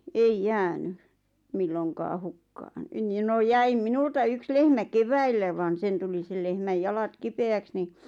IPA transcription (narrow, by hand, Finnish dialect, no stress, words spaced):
eij jæːny milːoŋkɑː hukːɑːn nin no jæim minultɑ yks lehmæ keʋæilːæ ʋɑn sen tuli sel lehmæj jɑlɑt kipeæks ni